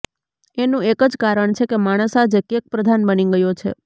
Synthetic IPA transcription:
enũekəd͡ʒkaɾəɳt͡ʃʰekemaɽ̃əsad͡ʒekek̚pɾəd̪ʱanbəniɡəjot͡ʃʰḛ

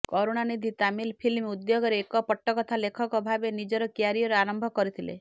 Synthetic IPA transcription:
kɔɾoɽ̃anid̪ʱit̪amilpʰilmud̪joɡɔɾeːkɔpɔʈːɔkɔt̪ʰalekʰɔkɔbʱabenid͡ʒɔɾɔkiaɾijɔɾeaɾɔmbʱɔkɔɾit̪ʰilḛ

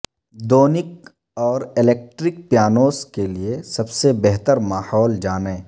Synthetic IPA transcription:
d̪oːnɪk̚ | ɔːɾɪleːk̚ʈɾɪk̚pjaːnoːskeliesɐbsebɛɦt̪əɾmaːhɔːld͡ʒaːnẽː

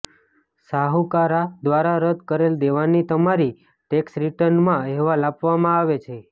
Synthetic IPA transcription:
saɦukaɾad̪ʋaɾaɾəd̪kəɾeld̪eʋanːit̪əmaɾi | ʈeksɾiʈəɾnmãɦɛʋalapʋamãaʋet͡ʃʰe

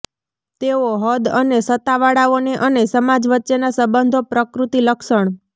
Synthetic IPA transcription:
t̪eoɦəd̪ənesət̪aʋaɽaoneʔənesəmad͡ʒʋətːʃenasəbənd̪ʱopɾəkɾut̪iləkʃəɳ

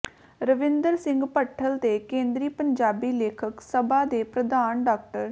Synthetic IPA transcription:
ɾəʋɪ̃nd̪əɾsɪ̃ŋɡpəʈʰːəlt̪eːkẽːnd̪ɾiːpəɲd͡ʒaːbiːleːkʰəksəbaːd̪eːpɾəd̪aːnɖaːkʈəɾ

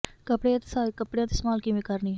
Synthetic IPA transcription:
kəpɽejãːt̪skəpɽejãːt̪ismaːlkimikəɾniːɦ

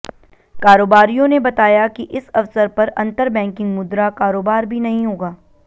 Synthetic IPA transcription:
kaːɾoːbaːɾijõnebɐt̪aːjakiʔɪsɐfsəɾpɐɾɐ̰̃nt̪əɾbɛ̃ːŋkɪ̃ŋɡmʊd̪ɾakaːɾoːbaːɾbʱinɐɦĩɦoːɡaː

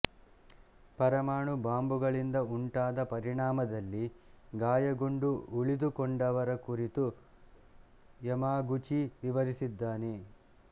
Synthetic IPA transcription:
pɐɾɐmaːɳubaːmbuɡɐɭind̪ɐuɳʈaːd̪ɐpɐɾiɳaːmɐd̪ɐlːiɡaːjɐɡuɳɖuuɭid̪ukɔɳɖɐʋɐɾɐkuɾit̪u | jɐmaːɡut͡ʃiʋiʋɐɾisid̪ːaːne

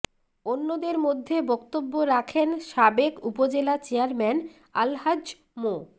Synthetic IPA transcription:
onːod̪eɾmod̪ʱːebɔkt̪obːoɾakʰenʃabekupod͡ʑelat͡ɕeaɾmɛn | alɦad͡ʑ | mo

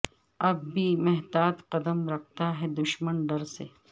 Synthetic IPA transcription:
ɐbːiːmeɦd̪aːt̪qɐd̪əmɾɐk̚ʰt̪aɦɛd̪ʊʃmənɖɐɾse

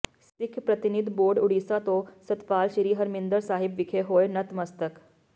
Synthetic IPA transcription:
st̪ɪkʰpɾət̪ɪnɪd̪boːɾɖʊɽiːsat̪õsət̪paːlʃəɾiːɦəɾmɪ̃nd̪əɾsaːɦɪbʋɪkʰeɦoːenɐt̪məst̪ək

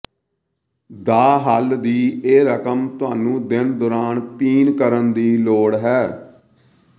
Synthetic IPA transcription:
d̪aːɦəld̪iːeːɾəkəmt̪ʊaːnũːd̪ɪnd̪oːɾaːnpiːnkəɾənd̪iːloːɽɦɛː

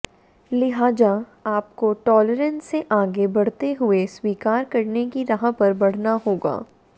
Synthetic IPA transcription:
lɪɦaːza | aːpkoʈɔːləɾə̃nsseʔaːɡebɐɽ̤t̪eɦʊeswiːkaːɾkɐɾnekiɾɐɦãpɐɾbɐɽ̤naɦoːɡa̰ː

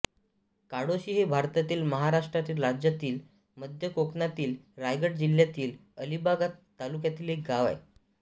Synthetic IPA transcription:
kaɽoɕiːɦebʱaɾt̪at̪iːlməɦaɾaʂʈɾat̪iːlɾad͡ʑjat̪iːl | məd̪ʱjəkoknat̪iːlɾajɡəʈ̚d͡ʑilːjat̪iːləlibaɡat̪ːalukjat̪iːlɦek̚ɡaʋa̰j

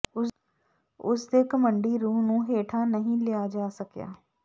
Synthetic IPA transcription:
ʊsd̪eːkəməɳɖiːɾuːɦnũːɦeːʈʰaːnəɦĩːlɪjaːd͡ʒaːsəkja̰ː

